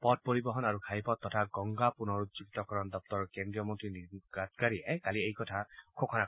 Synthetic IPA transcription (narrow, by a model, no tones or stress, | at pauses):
pɔd̚poɹibɔɦɔnaɹukʰajpɔtːɔtʰaɡɔŋɡapunɔɹuzukit̪ɔkɔɹɔndɔp̚tɔɹkendɹijɔmɔntɹiniɡatkaɹiɛkaliejkɔtʰakʰokʰɔna